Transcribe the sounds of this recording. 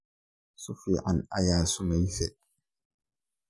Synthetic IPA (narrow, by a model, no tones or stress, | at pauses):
sufiʔanajaːsumajsɛ̰